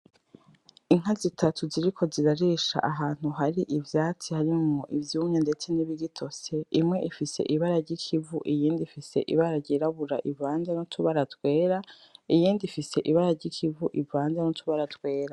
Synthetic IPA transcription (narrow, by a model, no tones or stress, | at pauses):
iŋ̥azitʰatʰuziɾikʰo̞ziɾaɾiːʃa̰ʔaɦaːn̥huɦaɾiʔivjaːt͡sihaɾimŋoʔivjuːmɲende̞t͡se̞niβiɡitʰo̞se̞imŋe̞ʔifise̞̰ʔiβaɾaɾɟikʰivṵʔijiːndifise̞̰ʔḭβaɾaɾɟiɾaβuɾa̰ʔivaːnzanotʰuβaɾatwe̞ːɾa | ijiːndifise̞ʔiβaɾaɾɟikʰivuʔivaːnzanotʰuβaɾatwe̞ːɾa